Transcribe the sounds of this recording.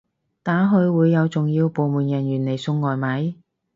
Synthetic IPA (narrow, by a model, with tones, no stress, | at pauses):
t̪aː˨˥ɦɵ˧ɥwuː˨˧jːɐ˨˧wt͡sʊ˨ŋjiː˧wpo˨wmuː˨njɐ˨˩njyː˨˩ne˨˩jsʊ˧ŋːɔː˨jmɐ˨˥j